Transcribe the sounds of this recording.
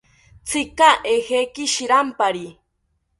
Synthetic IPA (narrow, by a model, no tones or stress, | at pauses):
t͡sɪkaʔehekɪʃiɾampaɾi